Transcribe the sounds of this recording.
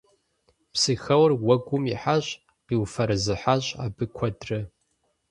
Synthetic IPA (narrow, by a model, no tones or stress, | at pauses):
psɨxɐwrwɐɡʷʊmḭħaɕʼ | qiːwfɐɾɨzɨħaɕʼaːbɨkʷʰɔdrɨ